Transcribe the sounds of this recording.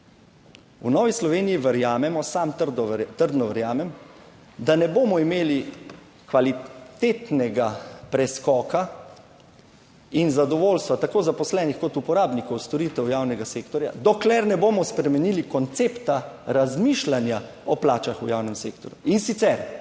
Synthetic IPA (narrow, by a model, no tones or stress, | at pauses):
unɔːʋislɔʋeːnijiʋəɾjaːmɛmɔsamt̪d̪t̪əɾd̪nɔʋəɾjaːmɛm | d̪anɛboːmɔimeːli | kʋalit̪et̪nɛɡapɾɛskɔːka | inzad̪ɔʋoːlst̪ʋat̪akoːzapɔslɛːnixkɔt̪upɔɾaːbnikɔwst̪ɔɾiːt̪ɛwjaːwnɛɡaseːkt̪ɔɾja̰d̪ɔklɛɾnɛboːmɔspɾɛmɛnilikɔnt̪sept̪aɾazmiʃlanja | ɔplaːt͡ʃaxujawnɛmseːk̚t̪ɔɾjuinsit̪sɛɾ